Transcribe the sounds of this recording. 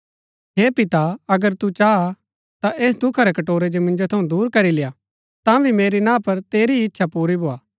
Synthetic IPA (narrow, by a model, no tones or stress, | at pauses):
ɦeːpɪt̪aɐɡəɾt̪ut͡ʃaː | t̪aʔeːsd̪ʊkʰaɾɛkɐʈoːɾed͡ʒomɪ̃nd͡ʒot̪ʰɐũd̪uːɾkɐɾileja | t̪ãːbʱimeːɾinãːpɐɾt̪eːɾiɪtːʃʰapuːɾibʱoːaː